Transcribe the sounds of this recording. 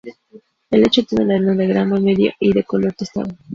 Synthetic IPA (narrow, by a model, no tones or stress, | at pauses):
elet͡ʃot̪jenelaðenoðeɣɾamomeðjo̰ʔiðekoloɾt̪est̪a̰βo